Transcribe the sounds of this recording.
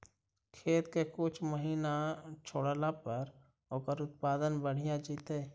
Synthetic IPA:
kʰeːt̪kekʊt͡ʃʰməɦiːnat͡ʃʰoːɽlapəɾ | okəɾʊt̪̚paːd̪ənbəɽ̤ijad͡ʒiːt̪eː

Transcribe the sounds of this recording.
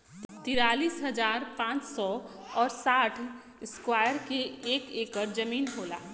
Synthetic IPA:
t̪ɪɾaːliːsɦɐd͡ʒaːɾpãːt͡ʃsɔ | ɔːɾsaːʈʰ | ɪskwaːjəɾkeeːkeːkəɾd͡ʒɐmiːnɦoːla̰ː

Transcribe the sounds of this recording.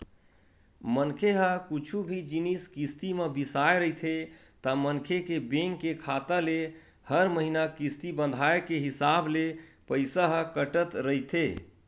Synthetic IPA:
mənkʰeɦəkut͡ʃʰubʱid͡ʒiniskist̪imebisaeɾəɦjt̪ʰe | t̪əmənkʰekebeŋɡkekʰat̪əle | həɾməɦinakist̪ibə̃nd̪ʱaekeɦisablepəjsaɦə̃kəʈət̪ɾəɦjt̪ʰe

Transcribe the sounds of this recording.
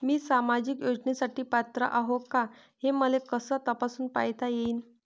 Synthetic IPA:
miːsamad͡ʑikjod͡ʑnesaʈiːpat̪ɾə̰ʔaɦoka | heməlekəsəːt̪əpasuːnpajt̪ʰajeiːn

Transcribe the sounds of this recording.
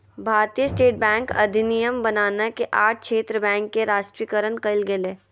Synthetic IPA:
bʱaːɾt̪ijəsʈeːʈ̚bɛ̃ːŋkɐ̰d̪ʱɪnijəmbɐnaːnakeʔaːʈ̚ʰkʃʰeːt̪ɾəbɛ̃ːŋkːeɾaːʃʈɾiːkəɾənkɐɪlɡeleː

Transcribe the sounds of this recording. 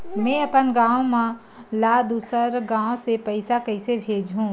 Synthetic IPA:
mɛ̃ɐpənɡãːõmã | lad̪uːsəɾɡãːõsepəɪsakəɪsebʱeːd͡ʒɦũː

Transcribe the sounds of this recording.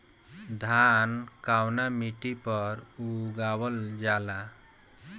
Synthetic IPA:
d̪ʱankawnamiʈipʌɾuɡawəld͡ʒala

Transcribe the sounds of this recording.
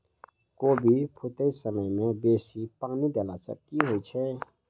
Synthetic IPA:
koːbʱipʰʊt̪esəməjmẽbeːsipəknid̪elat͡ʃʰə̰kiɦoit͡ʃʰɛ

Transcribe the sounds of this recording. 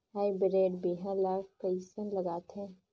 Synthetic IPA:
ɦaːibɪɾeːɖbiɦãlaːkkɐisənlɐɡaːt̪ɦɛ̃ː

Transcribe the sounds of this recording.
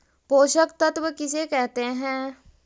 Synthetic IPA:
poːʃəkt̪ət̪wəkɪsekɛɦt̪eɦɛ̃ː

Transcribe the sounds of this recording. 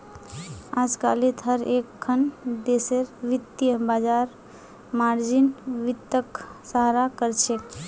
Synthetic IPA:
ad͡ʒka̰lit̪ɦəɾekʰːənd̪eseɾʋit̪jəbad͡ʒaɾ | maɾd͡ʒinʋit̪ːəksaɦɾakəɾt͡ʃʰe

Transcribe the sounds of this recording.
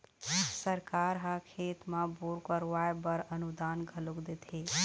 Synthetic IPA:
səɾkaɾɦakʰet̪mãbuɾkəɾʋajbəɾənud̪aːnɡʱəlukd̪et̪ʰe

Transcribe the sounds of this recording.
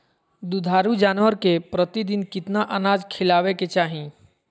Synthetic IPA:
d̪ud̪ʱaːɾud͡ʒaːnʋəɾkepɾət̪id̪ɪnkɪt̪naʔənaːd͡ʒkʰɪlaːʋeket͡ʃaːɦĩ

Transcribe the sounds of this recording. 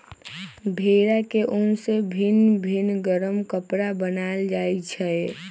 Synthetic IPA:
bʱeɾakeʔʊnsebʱinbʱinɡəɾəmkəpɾabənald͡ʒajt͡ʃʰɛe

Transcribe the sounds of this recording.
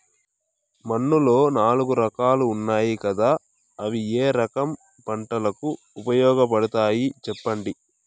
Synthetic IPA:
mɐnːulo̞ːnaːluɡuɾɐkaːluːnːaːjikɐd̪aː | ɐʋieːɾɐkɐm | pɐɳʈɐlɐku | upɐjɔːɡɐp̬ɐɽɐt̪aːjit͡ʃɛpːɐɳɖi

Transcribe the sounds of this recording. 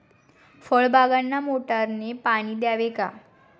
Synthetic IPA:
fəɭbʱaɡanːamoʈaɾnepaɽ̃iːd̪jaʋeka

